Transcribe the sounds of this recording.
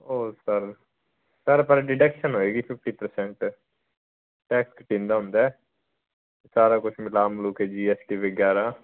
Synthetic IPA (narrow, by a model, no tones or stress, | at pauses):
oːsəɾ | səɾpəɾɖɪɖɛkʃənɦoːeːɡiːpʰɪp̚ʰʈiːpəɾsɛ̃ːɳʈ | ʈɛːkskəʈĩːnd̪aːɦʊ̃nd̪aɛː | esaːɾaːkʊt͡ʃʰmɪlaːmlʊːkɦɛːd͡ʒiːɛːsʈiːʋəɡjaːɾaː